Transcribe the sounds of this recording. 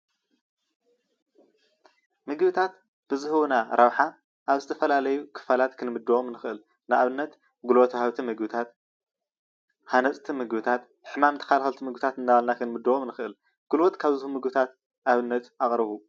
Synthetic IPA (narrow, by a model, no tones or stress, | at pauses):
mɨɡβɨt̪ʰat̪ | b̥ɨzɨhɨwnaɾʔɐwħa | ʔaβzɨt̪ʰɐfɐlalɐjukʰɨ̥falat̪kʰɨnmɨd̪ːuwomnɨxɨʔɨl | nɨʔaβɨnːɐt̪ | ɡulwot̪ʰhaβt̪ʰimɨɡβɨt̪ʰat̪ | hanɐt͡sʼt̪ʰimɨɡβɨt̪ʰat̪ | ħɨmamt̪ʰɐ̥kalxɐlt̪ʰimɨɡbɨt̪ʰat̪ɨnːaβalnakʰɨnmɨd̪ːɐwomnɨxɨʔɨl | ɡ̥ulwot̪kʰaβzɨhumɨɡbɨt̪ʰat̪ | ʔaβɨnːɐt̪ʔaχʼɾɨβu